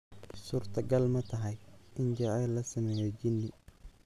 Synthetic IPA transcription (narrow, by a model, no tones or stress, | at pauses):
suːrt̪ʰɐɡɐlmɐt̪ʰɐɦɐjʔɪnt͡ʃɐʕɛːlːɐsɐmɛːjɛt͡ʃɪnːɪ